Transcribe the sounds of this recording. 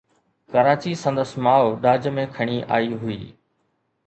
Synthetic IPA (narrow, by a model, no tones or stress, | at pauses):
kəɾaːt͡ɕisə̃nd̪əsmaːoɗaːd͡ʑmẽkʰəɳ̃iʔa̰ːiɦʊḭː